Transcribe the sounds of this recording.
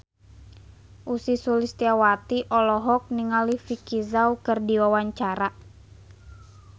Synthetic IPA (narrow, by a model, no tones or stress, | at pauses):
ʔusisulist̪iawat̪iʔɔlɔɦɔk̚niŋalifikizaukɨrdiwawaɲt͡ʃaɾa